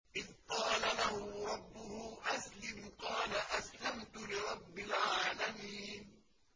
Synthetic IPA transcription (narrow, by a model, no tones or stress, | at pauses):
ʔɪðqɑːlalahʊɾˤɑbːʊhʊʔaslɪmqɑːlaʔaslamt̪ʊlɪɾˤɑbːɪlʕaːlamiːn